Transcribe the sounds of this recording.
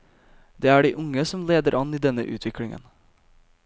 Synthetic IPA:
d̪eːæːɖiːʔʊŋəsɔmleːd̪əɾʔɑniːd̪ɛnə̰ʔʉ̰ːt̪ʰʋɪklɪŋə̰n

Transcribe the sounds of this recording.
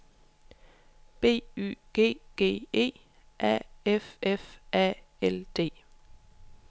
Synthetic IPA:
b̥e̝̰ːy̰ːɡ̥ḛːɡ̥ḛːe̝̰ː | ʔæ̰ːɛfʔɛfʔæ̰ːɛld̪̥e̝̰ː

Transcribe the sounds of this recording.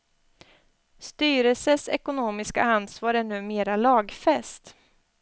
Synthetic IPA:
st̪yːɾɛlsəsɛkʊnoːmɪska̰ansvɑːɾɛnːɵmeːɾalɑːɡfɛst̪

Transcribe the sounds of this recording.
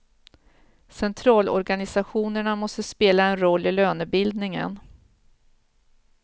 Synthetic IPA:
sɛnt̪ʰɾɑːlɔ̰ɾɡanɪsaɧuːnəɳamɔst̪əspeːlaɛnɾɔlːɪløːnəbɪld̪nɪŋə̰n

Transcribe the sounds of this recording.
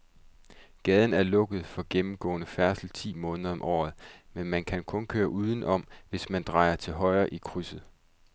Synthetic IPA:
ɡ̥ɛːð̞ˠn̩æɐlɔ̽ɡ̥əð̩ˠfɒ̽ɡ̥emm̩ɡ̥ɔ̰̽ːnəfæɐsl̩t͡sʰḭːmɔ̽ːnəðˠɐɒ̽mʔɒ̰ːð̞̩ˠmenmænkʰænkʰɔ̽nkʰøːɐʔuːð̞ˠən̩ʔɒ̽mʋe̝smænd̥ʁɑ̈ɪɐt͡sʰe̝lɦɒ̽ɪɐːʔikʰʁysð̩ˠ

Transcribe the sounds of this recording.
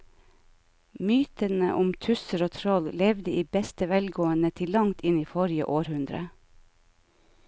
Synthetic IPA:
myːt̪ənə̰ʔʊmt̪ʰʉsəɾoːt̪ʰɾɔllɛʋd̪əiːbɛst̪əʋɛlɡoːənət̪ʰɪlːɑŋt̪ʰɪniːfɔɾɪə̰ʔoːɾhʉnd̪ɾə̰

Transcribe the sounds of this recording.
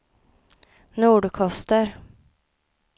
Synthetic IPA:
nuːɖkʰɔst̪əɾ

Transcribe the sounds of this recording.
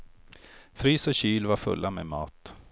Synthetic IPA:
fɾyːsɔɕyːlvaɾfɵ̰lːʔamḛːmɑ̰ːt̪

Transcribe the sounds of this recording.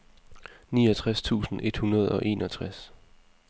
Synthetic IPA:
niːɒt͡sʰʁast͡sʰṵːsn̩ʔe̝d̥hunɐð̞ˠɒ̽ʔe̝̰ːnɒ̽t͡sʰʁas

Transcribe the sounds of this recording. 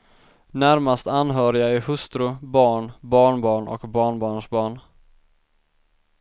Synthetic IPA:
næɾmast̪anɦœːɾɪaæɾhɵst̪ɾɵbɑːɳbɑːɳbɑːɳʔɔ̰kbɑːɳbɑːɳʂbɑːɳ

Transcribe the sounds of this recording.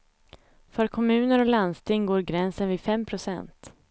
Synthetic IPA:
fœːɾkʰɔmʉ̟ːnəɾɔland̪st̪ɪŋːɡoːɾɡɾɛnsənvɪfɛmpʰɾʊsɛ̰nt̪

